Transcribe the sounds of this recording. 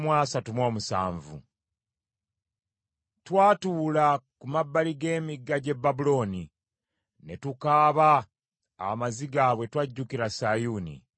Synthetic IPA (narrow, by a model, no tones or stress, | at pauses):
mwaːsatumo̞ːmusa̰ːɱvṵ | twaːtuːlakumabːaliɡe̞ːmiɡːaɟe̞bːabulo̞ːni | netukaːβa | a̰maziɡaβwe̞twaɟːukiɾasajunḭ